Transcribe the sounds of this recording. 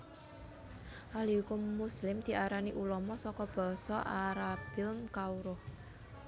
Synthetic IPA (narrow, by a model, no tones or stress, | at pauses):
ʔalikʊmːuslɪmd̪̥i̤ʔaɾaniʔulɔmɔsɔkɔb̥ɔ̤sɔʔaɾab̥ɪlmkauɾʊh